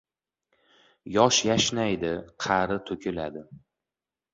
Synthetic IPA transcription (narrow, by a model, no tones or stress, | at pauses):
jɒʃjaʃnajd̪ɪqʰɑɾɪt̪ʰɵkʲʰɪlad̪ɪ